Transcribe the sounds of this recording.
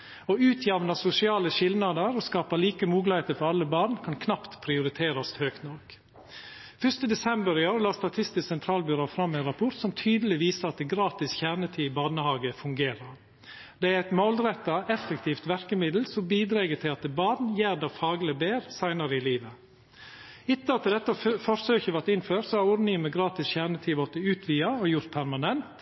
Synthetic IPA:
ɔʉːt̪ʰjɛʋnɑsʊsɪɑːləʃɪlnɑd̪əɾɔskɑːpəɭiːkəmuːɡlɪheːt̪əfɔɾɑlːəbɑːnkʰɑnkʰnɑpt̪pʰɾɪʊɾɪt̪ʰeːɾɑst̪høːkt̪nɔɾk | fœʂt̪əd̪ɛsɛmbəɾɪoːɾəlɑːst̪ɑt̪ʰɪst̪ɪsɛnt̪ʰɾɑːlbʏɾoːfɾɑmːæɪnɾɑpʰʊɾt̪sɔmt̪ʰyːd̪əlɪʋiːsəɑt̪̚d̪ɛɡɾɑːt̪ɪsçæːʁnət̪ʰiːɪbɑːnəhɑːɡəfʉŋɡeːɾɑɾ | d̪ɛæɾɛɪt̪molɾɛt̪ːɑʔɛfɛkt̪ʰiːft̪ʋæɾkəmɪd̪l̩sɔmbiːd̪ɾeːɡət̪ʰɪlɑt̪d̪ɛbɑːd̪njæːɾd̪ɑfɑːɡləbeːɾsæɪnɑɾəɪliːʋə | ɪt̪ːəɑt̪ːɪd̪ɛt̪ːəfɔɾsøːçəʋæɾʈ̪ɪnføːɾsɔhɑɾʊɾnɪŋməɡɾɑːt̪ɪsçæɳət̪ʰiːʋɔt̪əʉːt̪ʰʋiːɑɔjʊɾt̪̚pʰæɾmɑnɛnt̪

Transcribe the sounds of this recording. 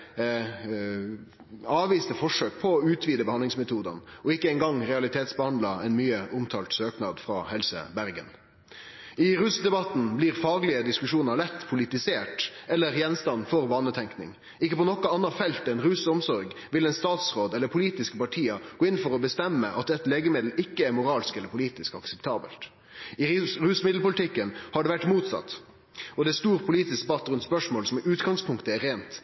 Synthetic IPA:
ɑːʋiːst̪əfɔʂøːk̚pʰɔːʉːt̪ʰʋiːd̪əbɛhɑnd̪lɪŋsmɛt̪ʰuːd̪ɑ̰nɔɪkːəɛŋɡɑŋɾɛɑlɪt̪ʰeːt̪sbəhɑnd̪lɑɛnmyːəʔʊmt̪ʰɑːlt̪søːknɑːd̪fɾɑ̰ːhɛlsə̰bæɾɡə̰n | ɪɾʉsd̪ɛbɑt̪n̩bliʁfɑːɡlɪəd̪ɪskʉʂuːnəɾɭɛt̪ːpʰʊlɪt̪ɪseːʈɛlːəɾjɛnst̪ɑnːfɔʁbɑːnət̪ʰɛŋknɪ̰ŋ | ɪkːəpɔnɔkɑɑnːɑfɛlt̪ɛnɾʉsəɔmsɔɾɡʋɪlɛɪnst̪ɑːt̪sʁoːd̪ɛlːəpʰʊliːt̪ɪskəpɑʈʰiːɑɡ̥oːɪnfɔɾɔbəst̪ɛmːəʔɑ̰t̪ɛt̪leːɡəmɪd̪l̩ɪkːəæɾmʊɾɑːlskɛləɾpʰʊliːt̪ɪskɑksɛpt̪ʰɑːbə̰lt̪ | ɪɾʉːsmɪd̪l̩pʊlɪt̪ʰɪkːənhɑɖɛʋæʈːmuːt̪sɑ̰t̪ | ɔd̪ɛæst̪uːɾpʰʊliːt̪ɪskd̪əbɑt̪ːɾʉnt̪spœʂmoːlsɔmɪʔʉːt̪ɡɑŋspʰʊŋkt̪əæɾeːnt̪

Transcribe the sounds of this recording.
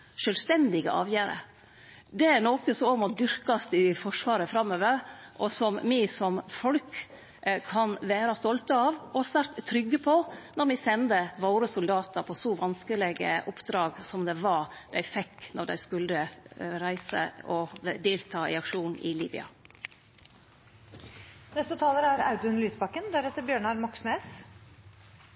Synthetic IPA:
ʂœlst̪ɛnd̪ɪɡə̰ʔɑ̰ːʋjæːɾə̰ | d̪ɛæɾnoːkəsɔɔmɔd̪ʏɾkɑst̪ɪfɔʂʋɑːɾəfɾɑmːøːʋəɾʔɔsɔmːɪsɔmfɔlk | kʰːɑnʋæːɾɑst̪ɔlt̪əɑʋɔsʋæɾt̪tʰːɾʏɡːəpʰɔnɔɾmɪsɛnd̪əʋoːɾəsʊld̪ɑːt̪əɾpʰɔsɔʋɑnskəlɪɡə̰ʔʊpd̪ɾɑːɡsɔmd̪ɛʋɑɾd̪æɪfɛkːnɔɾd̪æ̰ɪskʉlːəɾæɪsə̰ɔd̪eːlt̪ʰɑːɪ̰ɑkʂuːnɪ̰liːbɪ̰ɑ̰ | nɛst̪ət̪ʰɑːləɾæɾɑ̰ʉt̪ʉnlyːsbɑkːənd̪æɾɛt̪ːəɾbjøːɳɑɾmɔksneːs

